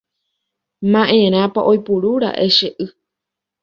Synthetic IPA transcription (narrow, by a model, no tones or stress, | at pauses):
mãʔẽɾ̃ãpaʔojpuɾuɾa̰ʔeʃeʔɨ